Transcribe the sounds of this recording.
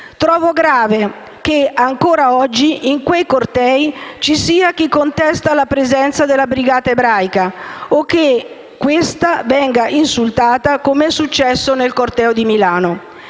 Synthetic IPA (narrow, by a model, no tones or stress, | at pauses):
t̪ɾɔːvoɡɾaːve | keaŋkoːɾaɔd͡ʒːiʔiŋkwejkort̪ɛːit͡ʃisiːak̟ikːont̪ɛst̪alapɾezɛnt̪sad̪elːabɾiɡaːt̪aebɾajkaokːe | kːwest̪avɛŋɡaʔinsult̪aːt̪akomeɛsːut͡ʃːɛsːonelkort̪ɛːod̪imilaːno